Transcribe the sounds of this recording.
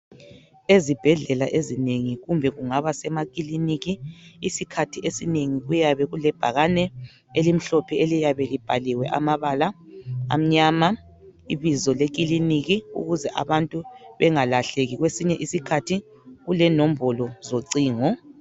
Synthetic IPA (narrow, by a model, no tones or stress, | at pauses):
ezib̥ʱɛɮɛla̰ʔezineŋiɣumbʱɛɣuŋaβasɛmak̬ʼiliniɣiːsikʰatʰiesineŋiɣujaβɛɣulɛb̥ʱaɣanɛ | elim̩ɬɔpʰɛelijaβɛlib̥ʱaliwɛʔa̰maβalaa̰m̩ɲama | iβizɔlek̬iliniɣiṵɣuzɛʔa̰βantʼuβɛŋalaɬeɣiɣwesiɲɛʔisikʰatʰi | ɣulɛnom̩bʱɔlɔzoǀiːŋɔ